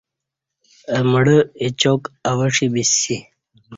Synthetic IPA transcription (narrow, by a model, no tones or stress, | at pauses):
əməɽəit͡ɕokawəʂibisi